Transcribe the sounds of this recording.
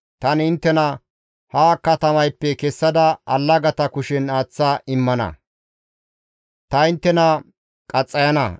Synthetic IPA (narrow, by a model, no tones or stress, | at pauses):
t̪ɐnɪnt̪ːɛnɐ | haːkːɐt̪ɐmɐjpːɛkɛsːɐd̪ɐɐ̰lːɐɡɐt̪ɐkʊʃɛnaːt͡sːaːʔɪmːɐnɐ̰ | t̪ɐɪnt̪ːɛnɐ | kʼɐt͡sʼːɐjɐnɐ̰